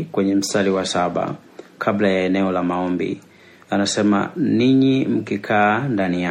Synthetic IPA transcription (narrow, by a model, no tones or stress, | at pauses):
kwɛɲɛm̩staliwasaɓa̰ | kʰablajaɛnɛɔlamaɔmbḭ | anasɛma̰niɲim̩kikʰaːndanija